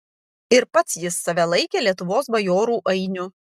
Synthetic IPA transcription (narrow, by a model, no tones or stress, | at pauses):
ɪɾpɐt̪sjɪsːɐʋʲɛlˠɐɪkʲeːlʲiɛt̪ʊʋoːsbɐjoːɾuːʔɐɪnʲʊ